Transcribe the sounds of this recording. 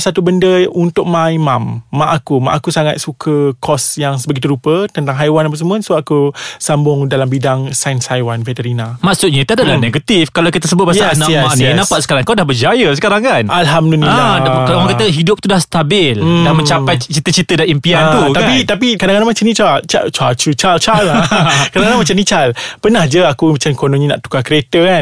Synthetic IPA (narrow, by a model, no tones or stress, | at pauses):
sat̪ubəndəunt̪ʊk̚mãimamːaʔakuma̰ʔakusaŋat̪̚sukʰəkʰɔsjaŋsəbəɡit̪̬uɾupət̪ənt̪aŋɦajwanap̬as̬əmuənsuaʔakusambʊŋdalambidaŋsanshajwanfɛt̪əɾinamaksʊt̪̚ɲãt̪uadalahneɡat̪ifkalawkit̪əsəbʊt̪̚bajaanaʔjɛaknĩnãpat̪̚sə̥kaɾaŋkadahbəd͡ʒajəsə̥kaɾaŋkanʔalɦamduliakalaŋkat̪əɦidʊp̚t̪udahst̪abɪldanməɲt͡ʃapajt͡ʃit̪ət͡ʃit̪ədaimpiant̪ukt̪aapit̪ap̬ikadaŋanamat͡ʃamnĩt͡ʃat͡ʃa̰t͡ʃat͡ʃut͡ʃalt͡ʃalkadaŋanamat͡ʃamnĩt͡ʃalpənahd͡ʒəakumat͡ʃamkonõɲĩna̰ʔt̪u̥kakɾet̪əan